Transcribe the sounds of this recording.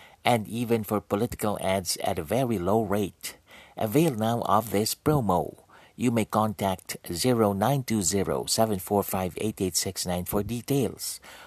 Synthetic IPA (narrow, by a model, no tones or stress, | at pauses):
ʔɛ̃ndiːvɨ̃nfɔɹpɔlɪtɪ̥kəlˠʔædzæ̰təvɛɹiloʊɹeɪtʔəveɪlˠnaʊʔʌ̰vðɪspɹoʊmoʊ | jumeɪkɑ̃ntʰæk̚tziɹoʊnãɪ̃ntuziɹo̰ʊsɛvə̃nfɔɹfaɪvḛɪteɪtsɪksnãɪ̃nfɔɹditeɪlˠs